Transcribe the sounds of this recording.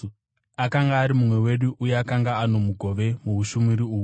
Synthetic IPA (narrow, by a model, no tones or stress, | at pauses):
akaŋɡaːɾimumwe̞we̞ɗuʔujeakaŋɡaano̞muɡʱo̞ʋe̞muuʃumiɾiuːu